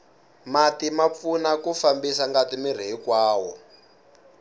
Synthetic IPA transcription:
matimap̪funakufambisaŋɡatimir̤iɦikwaːwɔ̰

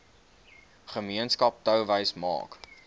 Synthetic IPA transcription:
χəmiənskɐp̚təwvəjsmɑ̰ːk

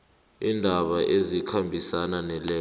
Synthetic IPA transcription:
indʱaɓaʔezikʰambʱisananɛlɛː

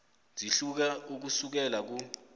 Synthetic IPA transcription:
d͡zʱiɬuk̬auk̬usuk̬ɛlak̬u

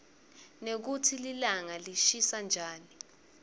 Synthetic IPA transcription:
nek̬utʰililaŋaliʃisand͡ʒʱaːni

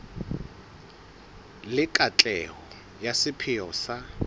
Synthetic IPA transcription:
lɪkʼat͡ɬʼɛɦɔ | jasɪpʰɪjɔsa

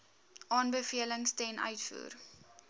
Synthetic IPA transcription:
ʔɑːnbəfiələŋstɛnʔœ̰ɥtfṵːr

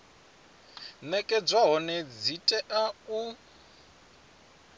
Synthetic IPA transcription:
nɛkʼɛd͡zwaɦɔnɛd͡zitʼɛʔau

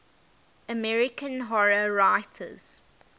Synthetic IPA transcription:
əmɛɹɪkə̃nɦɔɹəɹaɪtʰə̰z̥

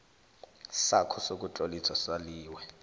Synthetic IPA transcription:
sakʰɔsok̬ʼut͡ɬʼolit͡sʰaswaliːwɛ

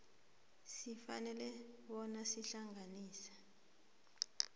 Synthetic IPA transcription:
sifa̰nɛlɛɓɔnasiɬaŋʱaniːsḁ

